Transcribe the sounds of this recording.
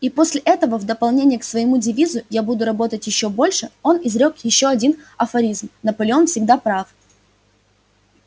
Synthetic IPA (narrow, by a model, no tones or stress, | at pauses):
ipo̞sʲlʲɪʔɛt̪əvəvd̪əpɐlˠnʲenʲɪjəksvəjɪmudʲɪvʲizʊjabud̪ʊɾɐbo̞t̪ətʲjɪɕːobo̞lʲʂɨo̞nɪzɾʲo̞kjɪɕːo̞ɐdʲinɐfɐɾʲizmnəpəlʲɪo̞nfsʲɪɡd̪apɾaf